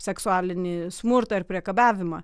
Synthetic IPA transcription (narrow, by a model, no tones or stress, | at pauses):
sʲɛksʊæːlʲɪnʲɪsmʊɾt̪ɐɪɾpʲɾʲiɛkɐbʲæːʋʲɪmɐ